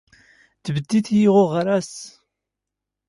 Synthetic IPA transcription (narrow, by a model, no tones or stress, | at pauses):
d̪vəd̪ːiθjiʁʊʁɾæs